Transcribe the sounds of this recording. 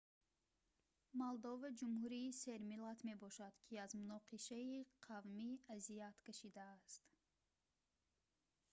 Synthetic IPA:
mɔlˠd̪ɔvad͡ʒumhuɾiːseɾmilat̪me̞bɔʃad̪kʰiazmunɔqiʃaiqʰavmiazijat̪kʰaʃid̪aːst̪

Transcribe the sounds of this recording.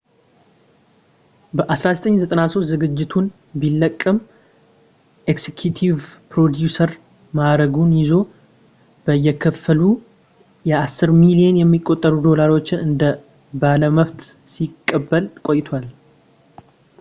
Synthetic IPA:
bəʔasɾazət̪ʼəɲːzət̪ʼənasost̪zɨɡɨd͡ʒːɪt̪ʰun | bilːəkʼːəm | ʔeksekʰjut̪ʰivpɾo̞d̪jusəɾ | maɾəɡunjɪzo̞ | b̥əjːɛkʰəfːəlu | jɛasːɨɾmilijenjɛmːikʼo̞t̪ʼːəɾud̪o̞laɾo̞t͡ʃːɪnɨnd̪ə | baləməβt̪ | sikʼːəbːəlkʼo̞jɪt̪ʰwal

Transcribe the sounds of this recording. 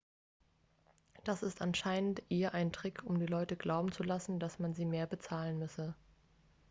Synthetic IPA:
d̥asɪstʔanʃaɪnəntʔeːəʔaɪntʁ̥ɪkʰʊmdiːlɔʏtəɡlaʊbm̩t͡sulasn̩dasmanziːmeːɐbət͡saːlənmʏsə

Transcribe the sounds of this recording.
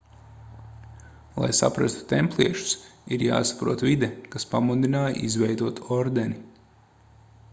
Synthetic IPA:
lˠa̰jsa̰pɾast̪u̥t̪emplˠiɛʃu̥siɾja̰ːsḁpɾuɔt̪vid̪ɛkaspamud̪inaːjʔizvɛjd̪uɔt̪ɔɾd̪ɛni

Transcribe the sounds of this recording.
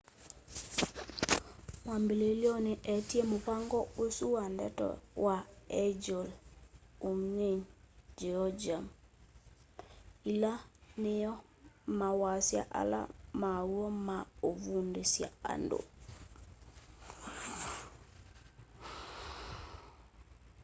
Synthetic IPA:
mambilelioniʔetiemupaŋɡɔosuwandɛ̰to̰waed͡ʒol | uŋeɲd͡ʒɛjod͡ʒam | ilanijɔ | mawasia̰ʔa̰la̰mauomaovundisia̰a̰ndo̰

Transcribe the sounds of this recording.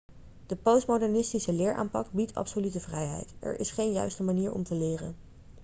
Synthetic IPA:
d̥əpowstmodɛɹnɪstisəlɪːɹʔa̰ːmpɑk̚bitɑ̰psolytəvrɛjɦɛ̰jtʔɛ̰ɹʔɪ̰sχejnjœ̰ɥstəmaniːɹɔ̰mtəlɪːrə̰n

